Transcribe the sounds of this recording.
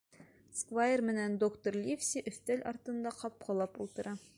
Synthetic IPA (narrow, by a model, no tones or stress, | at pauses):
skvajermɘ̆nænd̪okt̪orlʲifsʲiʔɵ̆θt̪ælʲɒ̰ɾt̪ɤ̆nd̪ɑqɒp̚qʰɑlˠɑpṵlˠt̪ɤ̆ɾɑ